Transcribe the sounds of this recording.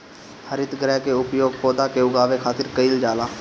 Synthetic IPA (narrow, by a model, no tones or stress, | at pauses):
həɾɪt̪ɡɾɛːkeʊpjoːɡ̚pɔːd̪akeʊɡaːʋekʰaːt̪ɪɾkəild͡ʒaːlaː